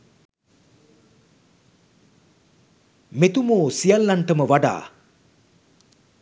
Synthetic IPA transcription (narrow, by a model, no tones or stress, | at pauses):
met̪umoːsijalːaɳʈəməʋaɖa̰ː